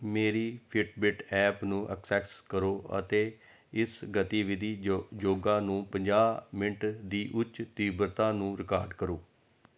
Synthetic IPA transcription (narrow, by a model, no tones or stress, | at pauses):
meːɾiːpʰɪʈbɪʈɛːpnũːʔə̰ksɛːkskəɾoːə̰t̪eː | ɪsɡət̪iːʋɪd̪iːd͡ʒoːɡãːnũːpəɲd͡ʒaːmɪɳʈd̪iːʔʊt͡ʃt̪iːbəɾt̪ãːnũːɾɪkaːɾɖkəɾoː